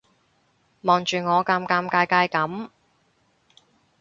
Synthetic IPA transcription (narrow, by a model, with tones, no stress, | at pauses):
mɔː˨ŋt͡ʃyː˨˩ŋɔː˨˧kaː˧mkaː˧mkaː˧jkaː˧jkɐ˨˥m